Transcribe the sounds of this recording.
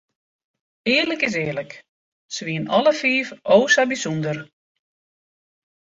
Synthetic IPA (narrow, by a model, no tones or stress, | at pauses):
ɪːərləkɪs̬ɪːlək | sʋiənɔlˠəfiːfʔoːsabisundər